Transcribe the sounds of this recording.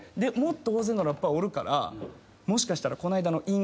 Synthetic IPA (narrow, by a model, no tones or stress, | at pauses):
d̪e̞mot̪ːooːzenːaɾojapːaio̞ɾɯ̟ka̰ɾʔa̰ | mo̞ɕi̥kaɕi̥t̪aɾako̞naid̪ano̞ʔĩŋ